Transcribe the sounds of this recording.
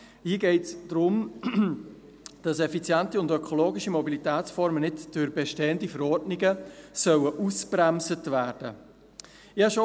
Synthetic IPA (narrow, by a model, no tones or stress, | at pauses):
hiːəɡɛɪtsd̥ɾʊm | d̥ɑsɛfit͡sjæntiʊndœkʰoloːɡɪʃimɔbilitæːtsfɔɾmənɪtd̥yɾbeʃteːəndifəɾɔɾdnɪɡəsœwəʔusb̥ɾæmzətvæːɾd̥ə | ɪɑʃo